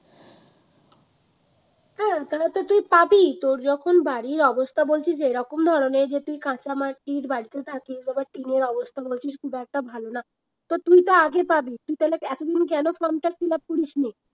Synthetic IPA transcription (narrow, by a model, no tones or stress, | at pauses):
ɦɛ̃t̪aɾat̪ot̪ujpabit̪oɾd͡ʑɔkʰonbaɽiɾɔbost̪ʰabolt͡ɕʰiʃeɾɔkomd̪ʱɔɾoneɾd͡ʑet̪ujkãt͡ɕamaʈːiɾbaɽit̪et̪ʰakiʃbabaɾʈineɾɔbost̪ʰabolt͡ɕʰiʃkʰubɛk̚ʈabʱalona | t̪ɔt̪ujt̪aaɡepabit̪uit̪alakɛt̪od̪ink̬ɛnofɔɾmʈafilapuɾiʃni